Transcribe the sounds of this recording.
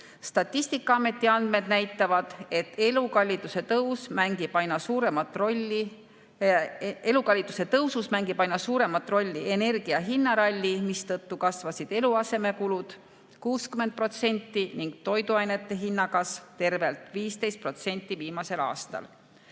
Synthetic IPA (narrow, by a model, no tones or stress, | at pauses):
st̪ɑt̪ʲːˑist̪ikːˑɑɑme̞t̪ʲːˑiɑnd̪̥̚me̞d̪næjt̪ːˑɑvɑd̪̥e̞t̪ːelukɑlʲːit̪ːˑuse̞t̪ɤwsmæŋɡ̥ib̥ɑjnɑsuːɾe̞mɑt̪ːˑroi | e̞lukɑlʲːit̪ːˑu̥se̞t̪ɤwsusmæŋɡib̥ɑjnːɑsuːɾe̞mɑt̪ːˑro̞lʲːiene̞rɡ̥iɑɦinːɑɾɑlʲːimist̪ɤt̪ːukɑsvɑsid̪̥e̞luɑse̞me̞kulud̪̥ | kuːskymen̚pro̞t̪se̞nʲt̪ˑːiniŋɡ̥̚t̪o̞jd̪uɑjne̞t̪ːˑe̞ɦinːɑɡɑst̪e̞rve̞lt̪ˑviːst̪e̞jst̪pro̞t̪se̞nʲt̪ˑːiviːmɑse̞lɑ̰ːst̪ɑ̰l